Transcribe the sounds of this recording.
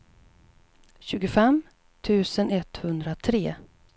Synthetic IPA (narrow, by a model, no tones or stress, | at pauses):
ɕʉ̟ːɡʊfɛm | t̪ʰʉ̟ːsənɛt̪hɵnd̪ɾat̪ʰɾeː